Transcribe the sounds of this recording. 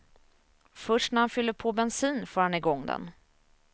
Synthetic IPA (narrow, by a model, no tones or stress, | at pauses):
fœʂʈnæɾhanfʏlːəɾpʰoːbɛnsiːnfoːɾhanɪɡɔŋːd̪ɛ̰n